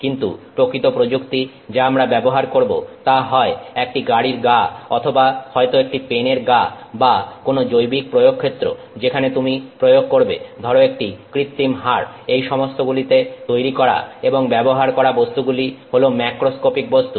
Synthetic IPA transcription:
kint̪ṵpɾokɾit̪opɾod͡ʑukt̪i | d͡ʑaamɾabɛboɦaɾkoɾbo̰t̪aɦɔeek̚ʈiɡaɽiɾɡaɔt̪ʰobahɔet̪oek̚ʈipeneɾɡabakonod͡ʑojbik̚pɾojoɡ̚kʰːet̪ːɾo̰ | d͡ʑekʰanet̪umipɾojoɡ̚koɾbḛd̪ʱɔɾoek̚ʈikɾit̪ːimɦaɾ | ejʃɔmost̪ʰoɡulit̪et̪ojɾikɔɾa̰eboŋbɛboɦaɾkɔɾabost̪uɡuliholomɛkɾoskopik̚bost̪u

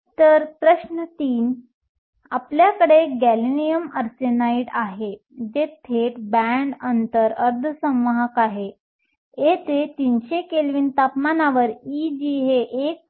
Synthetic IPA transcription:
t̪əɾpɾəɕnət̪iːn | apljakəɽeɡælinijəməɾt͡senaiɽaɦe | d͡ʑet̪ʰeʈbæɳɖənt̪əɾəɾd̪ʱsə̃mʋəɦəkaɦe | et̪et̪inɕekelʋiːnt̪apmanaʋəɾid͡ʑiɦeʔek̚

